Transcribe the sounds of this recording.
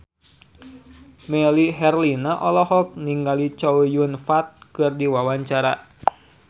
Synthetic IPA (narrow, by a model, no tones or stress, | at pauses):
mɛliɦɛrlinaʔɔlɔhɔk̚niŋɡalit͡ʃɔwjunfat̪̚kɨrdiwawaɲt͡ʃaɾa̰